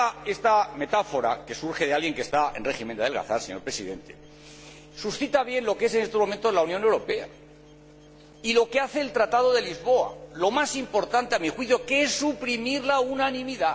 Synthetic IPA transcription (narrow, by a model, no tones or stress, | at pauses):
est̪ame̞t̪afoɾa̰ke̞suɾxe̞ðealɣje̞ŋkest̪aḛnreximend̪eðe̞lɣa̰θaɾseɲo̞ɾpɾe̞siðe̞nt̪e̞̥ | susθit̪aβje̞nlo̞kee̞se̞ne̞st̪o̞zmo̞ment̪o̞zlaunjõ̞ne̞wɾo̞pe̞a̰ | ilo̞keaθe̞ːlt̪ɾat̪að̞o̞ðe̞lizβo̞a̰lo̞masimpo̞ɾt̪ant̪eamixwiθjokeesːupɾimiɾlaunanĩmiða